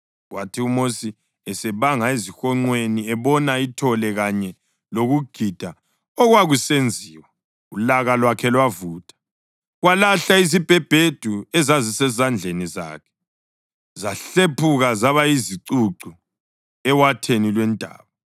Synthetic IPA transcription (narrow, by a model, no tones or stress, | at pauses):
ɣwatʰiumosi | ɛsɛβaŋaezixɔŋ͡ǀweniɛβɔnaitʰɔlɛɣaɲɛ | loɣuɡ̥ʱid̥ʱa | ɔɣwaɣusend͡zʱiːwa | ulaɣalwakʰɛlwavuːtʰʼḁ | ɣwalaɬaizib̥ʱɛb̥ʱed̥ʱuɛzazisɛzand͡ɮʱeniza̰ːkʰɛ̥ | zaɬepʰuɣazaβaiziǀuǀu | ɛwatʰenilwɛndʱa̰ːβa